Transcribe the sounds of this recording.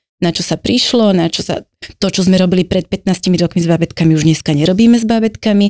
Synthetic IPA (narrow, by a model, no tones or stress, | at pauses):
nat͡ʃɔsapɾiʃlɔnat͡ʃɔsa̰ | t̪ɔt͡ʃɔzmɛɾɔbilipɾɛt̪̚pɛt̪naːscimiɾɔkmizbabɛt̪kamiuʒɲɛskaɲɛɾɔbiːmɛzbabɛt̪kami